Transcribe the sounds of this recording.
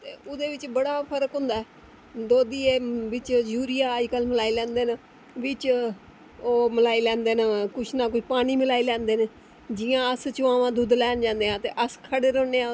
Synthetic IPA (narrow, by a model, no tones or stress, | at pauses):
t̪eːʊd̪eːʋɪt͡ʃbəɽaːpʰəɾəkɦʊ̃nd̪aːɛː | d̪oːd̪iːeːʋɪt͡ʃd͡ʒuːɾijaːd͡ʒkəlməlaːilɛ̃ːnd̪eːnː | ʋɪt͡ʃ | oːməlaːiːlɛ̃ːnd̪eːnakʊt͡ʃʰnaːk̬ʊt͡ʃʰpaːɽ̃iːmɪlaːiːlɛ̃ːnd̪eːneː | d͡ʒɪãːəst͡ʃʊãːʋãːd̪ʊd̪lɛːnd͡ʒãːnd̪eːãːt̪eːʔəskʰəɽeːɾoːneːãː